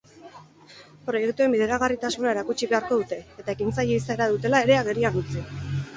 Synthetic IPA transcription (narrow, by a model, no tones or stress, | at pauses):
pɾo̞je̞kt̪ue̞mbiðe̞ɾaɣ̞arit̪asunae̞ɾakut͡ʃiβe̞aɾko̞ðut̪e̞et̪ae̞kint͡saje̞isaeɾaðut̪e̞lae̞ɾe̞aɣe̞ɾianut͡si